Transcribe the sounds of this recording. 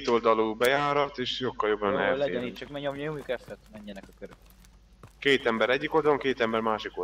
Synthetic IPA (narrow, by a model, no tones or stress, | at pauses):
t̪o̞ld̪ɒluːbɛjaːɾɒt̪eːʃjokːɒljo̞bːɒnɛ̰lɛɛniːt͡ʃɒkmɛɲomjoomjukɛsɛt̪mɛɲːɛnɛkɒkøɾøk | keːt̪ɛmbɛɾɛɟːiko̞ld̪ɒloŋkeːt̪ɛmbɛɾmaːʃiko